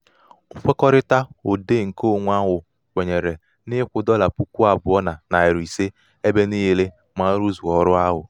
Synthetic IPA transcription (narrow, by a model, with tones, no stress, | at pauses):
ʊ˦fe˦kɔ˦ɾɪ˦ta˦o˨de˦˨ŋ̩˨ko˦˨ŋʷ˦a˦ɦʊ˨ | kʷe˨ɲe˨ɾe˨ | nɪ˦kʷʊ˨dɔ˦la˨pu˦kʷu˦a˨bʊ˨˦ɔ˦na˨na˨ɪ˨ɾi˨se˦ | e˦be˦ni˦ɦi˦le˦ | ma˨˦ɾu˦zu˨ɔ˨ɾʊ˦a˦ɦʊ˨